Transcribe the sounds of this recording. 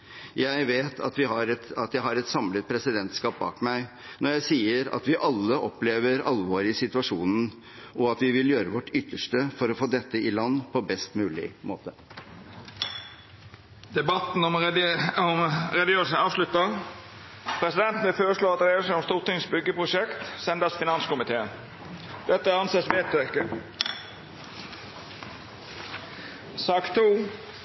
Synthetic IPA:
jæɪʋeːt̪ʰɑ̰t̪ʋɪhɑɾɛt̪ɑt̪jæɪɦɑɾɛt̪sɑmlət̪̚pʰɾɛsɪd̪ɛnt̪skɑːp̚bɑ̰ːkmæɪ | nɔɾjæɪsiːəɾɑ̰t̪ʋɪʔɑlːəʔɔpleːʋəɾɑlʋoːɾɪsɪt̪ʉɑʂuːnn̩ | ʔɔɑt̪ʋɪʋɪljøːɾəʋɔʈːʏt̪ːəʂʈəfɔɾɔfoːd̪ɛt̪ːəɪlɑnːpʰɔbɛst̪mʉːlɪ̰mo̰ːt̪ə | d̪ɛbɑt̪n̩ɔmɔmɾɛd̪ɪøːsɑːʋʂlʉt̪ːɑ | pʰɾɛsɪd̪ɛnt̪n̩ʋɪlføːɾəʂɭoːɑt̪ɾeːsn̩ɔmst̪uːʁt̪ɪŋsbʏɡːəpʰʁʊʂɛkt̪sɛnd̪ɑsfɪnɑnskʊmɪt̪ʰeː | d̪̥ɛt̪ːəæɑnsesʋeːt̪ʰøkə | sɑːkt̪ʰːuː

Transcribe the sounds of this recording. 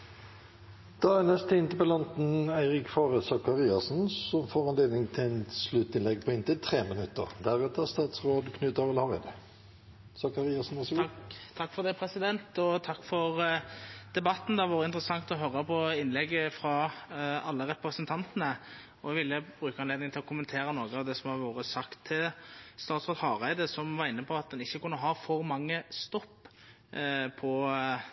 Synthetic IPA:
d̪̥ɑːænɛst̪ʰɪnt̪əpɛlɔnt̪n̩æɪɾɪkfoːʁəsɑkɑʁiːɑsnsɔmfoːʁɑnleːd̪nɪŋt̪ʰɪɛnslʉt̪ːɪnlɛɡ̚pʰɔɪnt̪ʰɪt̪ʰɾeːmənʉt̪ːə̰ʁd̪æʁʉːt̪əst̪ɑːt̪sʁoːd̪kʰnʉːt̪ɑʋɪlhɔʁɪ̰d̪ | sɑkɑʁiːɑsn̩æsɡt̪ʰɑkːfɔd̪æɪpʰɾɛsɪd̪ɛnt̪ɔt̪ʰɑkːfɔʁ | d̪̥ɛbɑt̪ːn̩d̪æʋoːɾəɪnt̪ɾəsɑŋt̪ɔɦœɾːəpʰɔɪnlɛɡːəfɾɑ | ɑlːəɾɛpɾəsənt̪ʰɑnt̪ənə | ɔʋɪlːəbɾʉːkəɑnleːd̪nɪŋt̪ʰɪlɔkʰʊmənt̪ʰeːɾənoːɡəɑʋd̪ɛsɔmhɑʋoːɾəsɑkt̪ʰːɪlst̪ɑːt̪sʁoːt̪hɑːʁæɪd̪əsɔmʋɑɾɪnːəpʰɔɑt̪̚d̪ɛnɪçːəkʰʊnːəɦɑfɔɾmɑŋːəst̪ɔpː | pʰɔ

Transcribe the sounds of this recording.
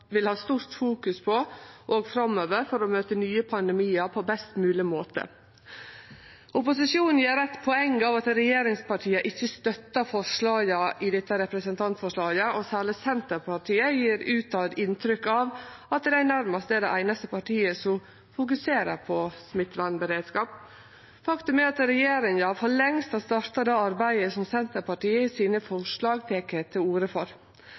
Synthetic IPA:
ʋɪlhɑːst̪uːɾt̪fuːkʉspʰɔʔoːɡfɾɑmøːʋəɾfɔɾɔmøːt̪ənyːəpʰɑnd̪ɛmiːəɾpʰɔbɛst̪mʉːlɪmoːt̪ə̰ | ʔʊpʊsɪʂjuːnn̩jiːɾɛt̪ːpʰɔɛŋɑʋɑt̪ɾɛjeːɾɪŋspɑʈʰiːəʔɪçːəst̪œt̪ːəfɔʂɭɑːɡəʔɪd̪ɛt̪ːəɾɛpɾəsənt̪ʰɑnt̪fɔʂɭɑːɡəʔɔsæːɭɪsɛnt̪əɾpʰɑʈʰiːəjiːɾʉːt̪ɑd̪ɪnt̪ɾʏkːɑʋɑt̪̚d̪ɛænæɾmɑst̪ɛd̪ɛʔæɪnɑst̪əpɑʈiːəsɔm | fʊk̬ʉseːɾəɾpʰɔsmɪt̪lɑnbəɾeːd̪skɑːp | fɑkt̪ʉmɛɑt̪ɾɛjeːɾɪŋɑfɔɭɛŋst̪ɑst̪ɑɾt̪ɑd̪ɛɑɾbæɪəsɔmsɛnt̪əɾpɑʈiːəɪsiːnəfɔʂɭɑːɡt̪ʰeːkət̪ʰɪluːɾəfɔɾ

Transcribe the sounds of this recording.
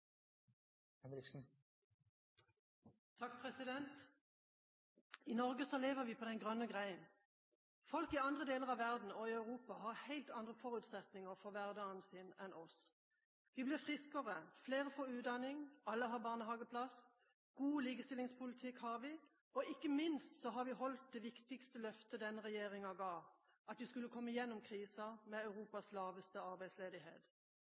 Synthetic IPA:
ɛmlɪksn̩ | t̪ʰɑk̚pʰʁɛsɪd̪ɛnt̪ | iːnɔʁɡəsɔleːʋəʁʋiːpʰoːd̪ɛnɡʁœnːəɡʁæɪən | fɔlkiɑnd̪ʁəd̪eːləʁɑʋæʁd̪n̩ɔiɑʉʁuːpɑhɑʁhæɪlt̪ɑnd̪ʁəfɔʁʉːt̪sɛt̪nɪŋəʁfɔʋæʁd̪əɑnsinɛnʔɔs | ʋɪblɪʁfʁɪskəʁəfleːʁəfɔɾʉːɑnːɪŋɑlːəɦɑʁbɑʁnəɦɑːɡəpʰlɑs | ɡ̥uːliːɡəst̪ɪlɪŋspʰʊlɪt̪ʰɪkhɑʁʋɪ | ɔɪkːəmɪnst̪sɔɦɑʁʋɪɦɔlt̪̚d̪ɛʋɪkt̪ɪkst̪əlœft̪əd̪ɛnːəʁɛjeːʁɪŋɑɡɑːʋ | ɑt̪ʋɪskʉlːəkʰɔmːəjɛnːʊmkʰʁiːsɑmɛɑʉʁuːpɑslɑːʋəst̪əɑʁbæɪd̪sleːd̪ɪhḛːt̪

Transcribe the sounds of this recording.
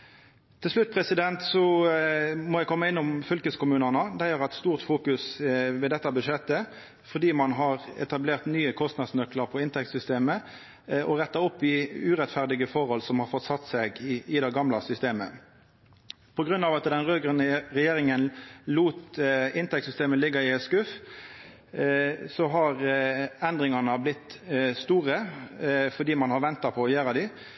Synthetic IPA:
t̪ʰɪlʂlʉt̪̚ːpʰʁɛsɪd̪ɛnt̪sɔ | mɔjæɪkʰɔmːəɪnːʊmfʏlkəskʊmʉːnəʁnəd̪æjøːɾhæɛt̪st̪uːʁt̪fuːkʉsʋeːd̪ɛt̪ːɑbʉʂɛt̪ːə | fɔʁd̪iːmɑnɦɑʁɛ̰t̪ɑbleːʁt̪nyːəkʰɔst̪nɑd̪snœkləʁpʰɔɪnt̪ʰɛk̚t̪sʏst̪eːmə | ʔɔʁɛt̪ːɑɔpːɪʉʁɛt̪fæʁd̪ɪɡəfɔʁhɔlsɔmhɑʁfɔt̪sɑt̪ːsɛɡɪɪd̪ɛɡɑmlɑsʏst̪eːmə̰ | pʰɔɡʁʉnɑːʋɑt̪d̪ɛnʁøːɡʁənʁɛjeːʁɪŋənluːt̪ɪnt̪ɛkt̪sʏst̪eːməlɪɡːɑɪskʉf | sɔɦɑʁɛnd̪ʁɪŋɑnɑblɪt̪ːst̪uːʁə | fɔd̪iːmɑnhɑʁʋɛnt̪ɑpʰɔɔjøːʁəd̪ɪ

